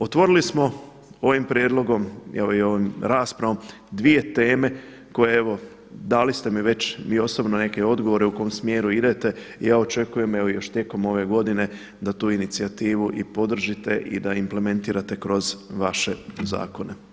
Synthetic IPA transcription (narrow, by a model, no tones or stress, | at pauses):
ot̪ʋo̞ɾilismo̞ | o̞ʋimpɾʲjeːd̪lˠo̞ɡo̞mḛʋoio̞ʋimɾaːspɾaʋo̞m | d̪ʋije̞t̪e̞ːme̞ | ko̞jeeʋo̞ | d̪alist̪e̞miʋe̞t͡ɕʋiːo̞so̞bnone̞ke̞o̞d̪ɡo̞ʋo̞ɾe̞uko̞omsmjeːɾuid̪e̞t̪e̞ijaːo̞t͡ʃe̞kuje̞me̞ʋojo̞ʃt̪je̞ko̞mo̞ʋe̞ɡo̞d̪ine̞ | d̪at̪uːinit̪siat̪iːʋuʔipo̞d̪r̩ʒit̪e̞ʔḭd̪aimple̞mẽ̞nt̪iːɾat̪e̞kɾo̞zʋaʃe̞za̰ːko̞ne̞